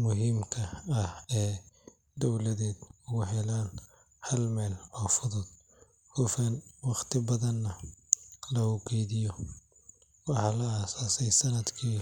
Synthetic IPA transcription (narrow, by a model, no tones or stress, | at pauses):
mʊɦɪmkʰɐɐhɛː | d̪ɔwlɐðɛːd̪ʊɣʊɦɛlaːn | hɐlmɛːlɔːfʊðʊd̪̚ | hʊfɛnwɑqt̪ʰɪbɐðɐnːɐ | lɐʊɡɛjðɪjɔ | wɑħɑlɐasaːsɛjsɐnɐd̪kʰiː